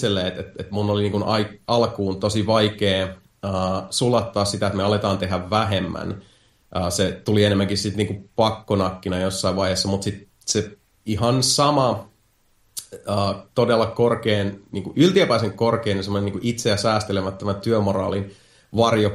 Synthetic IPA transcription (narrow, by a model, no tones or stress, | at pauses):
selːeːet̪et̪et̪munːoliniːŋkunɑiɑlkuːnt̪osiʋɑikeː | əːsulɑt̪ːɑːssit̪æet̪meɑlet̪ɑːnt̪e̞ɦæʋʋæɦemːæ̰n | ʔəːset̪ulienemːæŋkissit̪niːŋkupɑkːonɑkːinɑjosːɑiʋɑiheːsːɑmut̪sit̪ | se | ihɑnsɑmɑ | əːt̪odelːɑkorkeːnniːŋkuʔylt̪iæpæiseŋkorkeːnjɑsemonenːiːŋkuʔit̪sejæsæːst̪elemæt̪ːømæt̪yømorɑ̰ːlin | ʋɑrjo